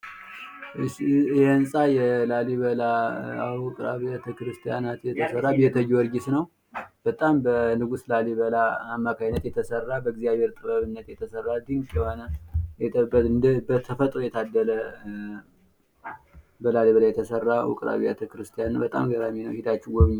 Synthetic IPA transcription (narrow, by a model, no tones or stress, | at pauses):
jɛnsʼajɛlaliβəla | wʊkʼɾa̰βijat̪ʰəkɾɨst̪ʰijanat̪jɛt̪ʰəsərːabiɛt̪ʰəjwɔɾɡɪsnəw | b̥ət̪ʼambənɨɡuslaliβəlaːmːakʰajnːət̪jɛt̪ʰəsərːabəɡzijaβheɾt̪ʼɨbəβɨnːət̪jɛt̪ʰəsərːald̪ɨŋkʼɛhanəjɛt̪əbəɨnd̪əbət̪ʰəfət̪ʼɾojɛt̪ʰad̪ːələ | bəlaliβəlajɛt̪ʰəsərːawʊ̰kʼɾa̰βijat̪ʰəkɨɾɨst̪ʰijanbət̪ʼa̰mɡəɾaminəwhit̪ʰat͡ʃːɪɡɔβɨɲ